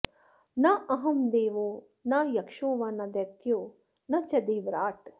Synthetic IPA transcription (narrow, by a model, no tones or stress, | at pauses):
naːɐɦɐmd̪eːʋoː | naːjɐkʂoːʋaːnɐd̪ɐkjoː | nɐt͡ʃɐd̪eːʋɾaːʈ